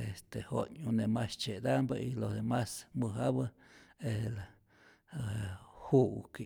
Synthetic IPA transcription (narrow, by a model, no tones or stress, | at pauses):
est̪ehoɲunemast͡ʃed̪ambailohd̪emasmɨɦaβə | ela | huk